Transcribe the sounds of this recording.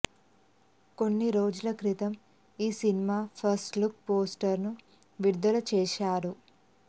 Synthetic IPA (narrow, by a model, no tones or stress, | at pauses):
ko̞nːiɾoːd͡ʒulɐkɾit̪ɐm | iːsinimaːpʰɐɾsʈlukpoːsʈɐɾnu | ʋiɾd̪ɐlɐt͡ʃɛːʃaːɾu